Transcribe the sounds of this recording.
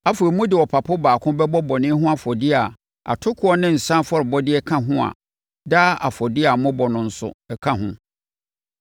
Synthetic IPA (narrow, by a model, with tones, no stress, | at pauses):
a˦fo˨ɾi˨mũ˦dɪ˨wɔ˨pʰa˨pʰɔ˦baː˨kʰʊ̃˦bɛ˦bɔ˦bɔ˨nɪ̃˦ɦʊ̃˦a˨fɔ˨dɪ˦a˨ | a̰˨tʰʊ˦kʰʊ˨˦ɔ˦nɪ̃˦n̩˨sã˦fɔ˦˨ɾɪ˨bɔ˦dɪ˦ɛ˦kʰã˦ɦʊ̃˦a̰˨ | daː˦ʔa˨fɔ˨dɪ˦a˨mʊ̃˦bɔ˨nʊ̃˨n̩˨sʊ̰˨ɛ˨kʰã˦ɦʊ̃˦